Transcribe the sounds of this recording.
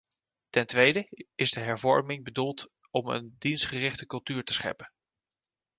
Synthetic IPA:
tɛntʋejdəɪzdəɦɛɹvɔ̰ɹmɪŋbədulˠt | ɔmə̰ndinsχərɪχtəkɵlˠtyːɹtəsχɛ̰pən

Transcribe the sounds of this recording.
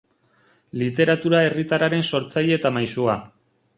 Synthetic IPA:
lit̪e̞ɾat̪uɾae̞rit̪aɾaɾe̞nso̞ɾt͡sajeːt̪amajsua

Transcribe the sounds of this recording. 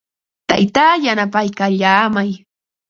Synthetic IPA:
t̪a̰jt̪aːjanapajkaʎaːmaj

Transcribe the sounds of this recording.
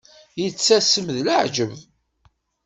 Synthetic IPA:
jət͡sːæsəmðləʕd͡ʒəv

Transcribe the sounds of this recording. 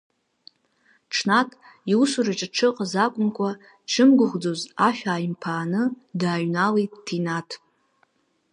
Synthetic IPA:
ʈ͡ʂʰnatʼ | iusuɾaʈ͡ʂʼaʈ͡ʂʰɨqʼazakʷʼʊnkʷʰʼa | ʈ͡ʂʰɨmɡʷʊχʷd͡zozaʃᶣaːjimpʰaːnɨ | daːɥnalejtʼːʰinatʰ

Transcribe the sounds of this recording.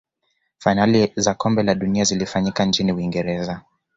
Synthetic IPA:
fainalizakɔmbɛlaɗuniazilifaɲikant͡ʃiniuwiŋɡɛɾɛza

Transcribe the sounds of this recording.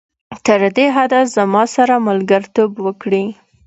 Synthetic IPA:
t̪əɾd̪eɦad̪azamɑsaɾamalɡəɾt̪obwəkɽi

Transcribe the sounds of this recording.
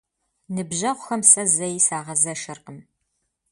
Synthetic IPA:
nɨbʑɐʁʷʊxɐmsɐzɐjsaːʁɐzɐʃɐrqəm

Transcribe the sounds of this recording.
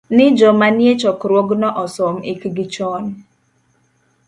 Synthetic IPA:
nɪd͡ʒɔmanjet͡ʃɔkɾwoɡnɔʔɔsɔmikɡɪt͡ʃɔn

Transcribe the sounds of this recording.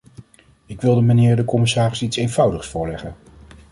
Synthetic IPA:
ɪkʋɪlˠdəmanɪːɹdəkɔmɪsaːrɪsitsejnv̥ʌwdəχsfʊːɹlɛχən

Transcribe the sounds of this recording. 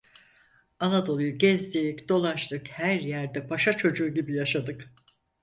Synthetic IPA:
anad̪o̞lˠujuɟɛzd̪icd̪̥o̞lˠaʃt̪ɯkhæɾjæɾd̪ɛpʰaʃat͡ʃʰo̞d͡ʒuːɟibijaʃad̪ɯk

